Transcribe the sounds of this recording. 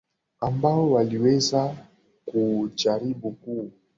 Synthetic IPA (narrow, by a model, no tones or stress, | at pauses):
ambaɔwaliwɛza | kud͡ʒaɾibuku